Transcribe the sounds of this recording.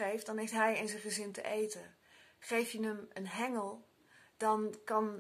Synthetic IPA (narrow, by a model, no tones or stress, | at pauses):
ejftd̥ɑnɦejftɦɛjɪnzə̃χəzɪntə̰ʔejtə | χejfjənəmənɦɛŋəlˠ | d̥ɑnkɑn